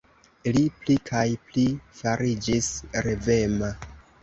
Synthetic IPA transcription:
liplikʰajplifaɾid͡ʒisɾeve̞ma

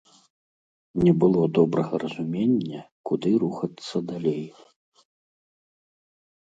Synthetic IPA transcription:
nʲɛbɨlˠɔd̪ɔbɾɐɣɐɾɐzumʲenʲːɐkud̪ɨɾuxɐt̪sːɐd̪alʲej

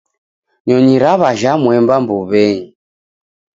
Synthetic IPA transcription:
ɲɔɲiɾaβaʒamwɛmbambuβɛɲi

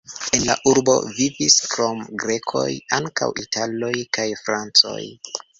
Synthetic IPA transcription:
e̞nla̰ʔuɾbo̞̰viviskɾo̞mɡɾe̞kʰo̞̰jaŋka̰witalo̞jkajfɾant͡so̞̰j

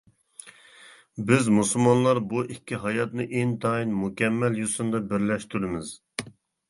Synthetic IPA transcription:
bɪzmusulˠmɑnlˠɑɾbuʔikʲʰːiɦɑjɑt̪nɨʔeŋt̪ʰɑinmukʲʰɛmːɛljusɨnd̪ɑbɪɾlɛʃt̪yɾɪmɪz̥

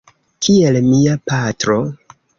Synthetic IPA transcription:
kʰie̞lmiapatɾo̞

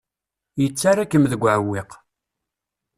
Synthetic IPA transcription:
jət͡sːaɾakːəmðəɡʷʕəwːiq

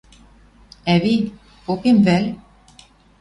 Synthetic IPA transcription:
æβi | okemvæl

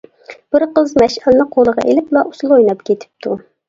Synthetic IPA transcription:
b̥ɪɾqəzmɛʃælnɨqʰolˠəʁɑ̰ʔelɪplˠɑʔusulˠojnɑpkʲet̪ʰɪ̥p̚t̪ʰu

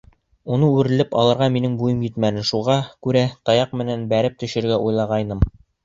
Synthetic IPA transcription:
unɤʉɾɘ̆lɘpɑ̰lˠɤ̆ɾʁɑminɘŋbujɤmjɘ̆t̪mænɘnʃuʁɑkʉɾæt̪ɑjɑq̚mɘ̆nænbæɾɘp̚t̪ɵ̆ʃɘ̆ɾɡæʔujlˠɑʁɑjnɤm

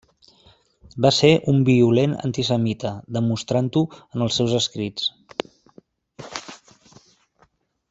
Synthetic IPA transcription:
baseʔumbiulenə̰nt̪isəmit̪əd̪əmust̪ɾant̪uənəlˠsɛwzəskɾit͡s

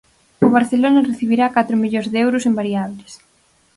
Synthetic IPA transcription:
ʊβaɾθelonɐreθiβiɾakat̪ɾʊmiʎozðeɛwɾʊsembaɾiaβlɪs

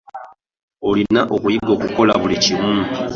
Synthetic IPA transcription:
olinaʔokujiɡoːkuko̞laβulicimuːntu

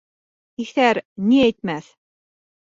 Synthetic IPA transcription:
ixθæɾnʲiɛt̪̚mæθ

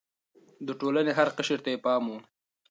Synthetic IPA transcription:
d̪əʈoːlaneɦaɾqəʃəɾt̪ajepɑːmu

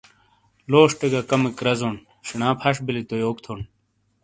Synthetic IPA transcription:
loːʂʈeɡakɐmekɾɐzon | ɕinãːpʰɐʂbilit̪ojoːkt̪ʰon

